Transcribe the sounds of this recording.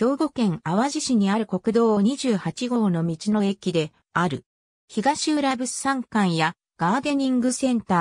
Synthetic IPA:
çʲo̞ːɡo̞kẽ̞ŋaβaʑiɕiɲ̟iaɾɯ̟ko̞kɯ̟d̪o̞ːoɲ̟iʑɨːhat͡ɕiɡo̞ːno̞mʲit͡ɕino̞e̞kʲid̪e̞ | aɾɯ̟̰ | çiɡaɕiɯɾabɯ̟sãŋkãɰ̃ja | ɡ̥aːd̪e̞ɲ̟ĩŋɡɯsẽ̞nt̪aː

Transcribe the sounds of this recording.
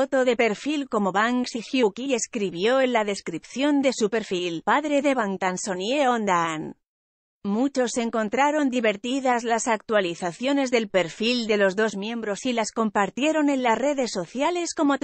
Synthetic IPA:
ot̪o̞ðe̞pe̞ɾfilko̞mo̞βaŋksixjukie̞skɾiβjo̞enlaðe̞skɾipθjo̞nd̪e̞supe̞ɾfilpaðɾe̞ðe̞βaŋt̪anso̞nje̞ond̪an | mut͡ʃo̞sːe̞ŋko̞nt̪ɾaɾo̞nd̪iβe̞ɾt̪iðazlasak̚t̪waliθaθjo̞ne̞zðe̞lpe̞ɾfild̪e̞lo̞zðo̞zmjẽ̞mbɾo̞silasko̞mpaɾt̪je̞ɾo̞ne̞nlasre̞ðe̞sːo̞θjale̞sko̞mot̪

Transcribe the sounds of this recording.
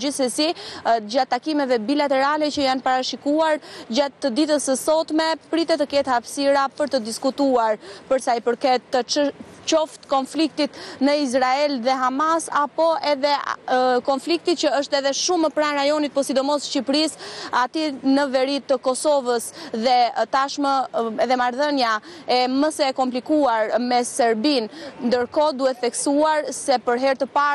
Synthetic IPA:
isəsid͡ʑat̪ːakimɛvɛbilat̪ɛɾalɛt͡ɕəjanpaɾaʃikuaɾd͡ʑat̪ːəd̪it̪əsəsɔt̪mɛpɾit̪ɛt̪əkɛt̪hapsiɾapəɾt̪əd̪iskut̪uaɾpəɾsajpəɾkɛt̪ːət͡ʃɔft̪kɔnflik̚t̪it̪nəiz̬ɾaɛlðɛɦamasapɔɛðɛkɔnflik̚t̪it͡ɕəəʃt̪ɛðɛʃuməpɾanɾajɔnit̪̚pɔsid̪ɔmɔsʃcipɾisat̪inəvɛɾit̪əkɔsɔvəsðɛt̪aʃməɛðɛmaɾðənjaɛməsɛkɔmplikuaɾmɛsɛɾbinnd̪əɾkɔd̪uɛθɛksuaɾsɛpəɾɦɛɾt̪əpa

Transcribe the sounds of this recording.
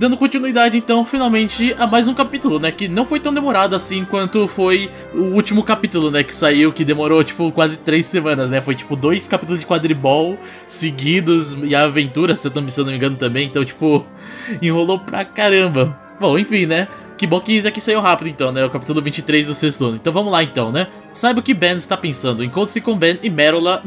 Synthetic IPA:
d̪ɐ̃nd̪ʊkõt͡ʃinuid̪ad͡ʒɪẽnt̪ɐ̃w̃finawmẽnt͡ʃɪamajzũkapit̪ʊlʊnɛkɪnɐ̃w̃fojt̪ɐ̃w̃d̪emoɾad̪ʊasĩkwɐ̃nt̪ʊfoj | ʊut͡ʃimʊkapit̪ʊlʊnɛkɪ̥saiwkɪd̪emoɾowt͡ʃi̥pʊkwazɪt̪ɾejsːemɐ̃nɐznɛfojt͡ʃi̥pʊd̪ojskapit̪ʊlˠʊzd͡ʒɪkwad̪ɾɪbɔw | sɪɡid̪ʊzɪavẽnt̪uɾɐseenõmɪ̃sewnõmĩɡɐ̃nʊt̪ɐ̃mbẽj̃ẽt̪ɐ̃w̃t͡ʃi̥pʊ | ẽɦolopɾɐkaɾɐ̃bɐ | bõw̃ẽfĩnɛ | kɪbõkɪɛkɪsaiwɦapɪd̪ʊɪẽnt̪ɐ̃w̃nɛʊkapit̪ʊlʊvĩnt͡ʃɪt̪ɾejzd̪ʊsest̪ʊɐ̃nʊẽt̪ɐ̃w̃vɐ̃mʊlaẽnt̪ɐ̃w̃nɛ | sajbɪʊkɪbɛ̃nɪst̪apẽsɐ̃nd̪ʊẽkwɐ̃t̪ʊsɪkõbẽnɪmɛɾolɐ

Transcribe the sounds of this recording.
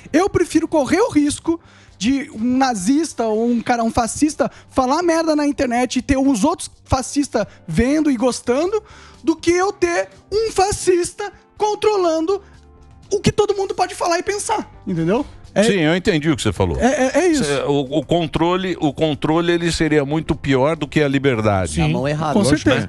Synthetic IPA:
ewpɾefiɾʊkoʁeɾʊɦiskʊ | d͡ʒɪũnazist̪ɐoũkaɾɐũfasist̪ɐfalamɛɾd̪ɐnɐĩnt̪eɾnɛt͡ʃɪɪt̪eɾũzowt̪ɾʊ̥s | fasist̪ɐvẽnd̪ʊɪɡost̪ɐ̃nd̪ʊd̪ʊkɪewt̪e | ũfasist̪ɐ | kõnt̪ɾolɐ̃nd̪ʊ | ʊkɪt̪od̪ʊmũnd̪ʊpɔd͡ʒɪfalaɾɪpẽsaɾẽnt̪ẽnd̪ewɛsĩewẽt̪ẽnd͡ʒiʊkɪ̥sefa̰lo̰ɛɛʔɛisɛʊʊkõnt̪ɾolɪʔʊkõnt̪ɾolɪelɪseɾiɐmũj̃t̪ʊpiɔɾd̪ʊkɪɐlibeɾd̪a̰d͡ʒɪ̃mɐ̰̃w̃ɛeɦad̪kõseɾt̪ezɐ

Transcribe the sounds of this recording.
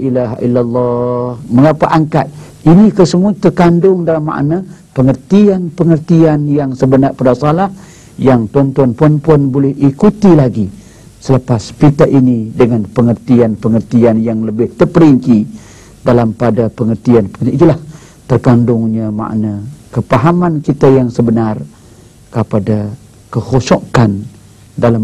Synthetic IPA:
ʔilaɦaʔilːalːɑhməŋapaʔaŋkat̪̚ | inĩkəsəmuat̪ərkandʊŋdalamːa̰ʔna | pəŋərt̪ianpəŋərt̪ianjaŋsəbənarpadasalah | jaŋt̪uant̪uanpuanpuanbolɛhikut̪ilaɡi | sələpaspit̪aʔinidəŋanpəŋərt̪ianpəŋərt̪ianjaŋləbɪht̪ərpəɾiɲt͡ʃi | dalampadapəŋərt̪ianpəət̪iit̪ulah | t̪ərkandʊŋɲama̰ʔnakəpaɦamankit̪ajaŋsəbənar | kəpada | kəhosokan | dala

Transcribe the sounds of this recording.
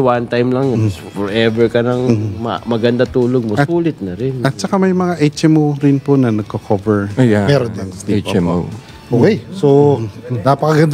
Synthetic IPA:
want̪ajmlɐŋfɔɹɛvɛɹkɐnɐŋmɐ̰mɐɡɐnd̪at̪uːloɡ̚moɐsuːlɪt̪̚nɐɾɪnɐt̪̚t͡ʃɐkamɐjmɐŋaʔejt͡ʃʔɛmowɾɪnponɐnɐɡ̚kɐkʰovɛɹojjamɛɾod̪ɛnd̪ijt͡ʃɛmo̰w | ʔokejsonapɐkɐɡɐnd̪

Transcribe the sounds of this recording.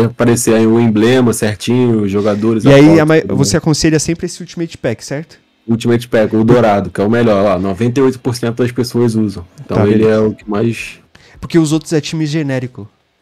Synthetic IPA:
paɾeseaiʊẽblẽmɐsɛɾt͡ʃĩɲʊʊzʒoɡad̪oɾɪziaiamavosseakõseʎɐsẽmpɾɪesɪut͡ʃimʊet͡ʃi̥pɛkɪ̥sɛɾt̪ʊ̥ | ut͡ʃimʊet͡ʃi̥pɛkɪʊd̪oɾad̪ʊkɪɛʊmɛʎɔɾlanovẽnt̪̬ɐjojt̪ʊ̥poɾsẽnt̪ʊd̪ɐspesoɐzuzɐ̃w̃t̪ɐ̃w̃elɪɛɛʊkɪmajs | poɾkeʊzowt̪ɾʊzɛt͡ʃĩmɪʒenɛɾikʊ

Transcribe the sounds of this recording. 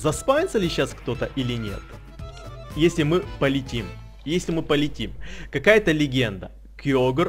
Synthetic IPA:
zɐspajʲɪt̪səlʲɪɕːaskt̪o̞t̪əʔilʲɪnʲe̞̰t̪ | jesʲlʲɪmɨpəlʲɪtʲim | jesʲlʲɪmɨpəlʲɪtʲimkɐkajət̪əlʲɪɡʲend̪ə | kjoɡər

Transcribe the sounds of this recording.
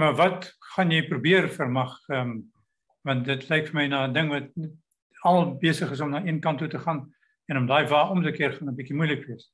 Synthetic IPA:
mɐvɐtχɐnjɛjprubiərfərmɐχəm | vɐ̃ntdətlɛjkfərmɛjnɑːədəŋvɐt̚ | ɐllˠbeəsəχəs̬ɔmnɑːiənkɐntːutəχɑːn | ɛnɔmdɑːjvɑːɔmtəkiərχɐnəbikimujləkviəs

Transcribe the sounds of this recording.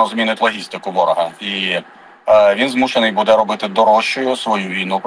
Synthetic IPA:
ɔzmʲinɪtʲlˠɔɦʲist̪ɪkʊʋɔɾɔɦɐi | ʋʲinzmuʃenɪjbud̪ɛɾɔbɪt̪ɪd̪ɔɾɔʃt͡ʃʊjʊsʋɔjuʋʲijnup

